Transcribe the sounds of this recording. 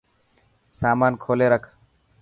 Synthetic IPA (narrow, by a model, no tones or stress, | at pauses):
samankʰoleɾakʰ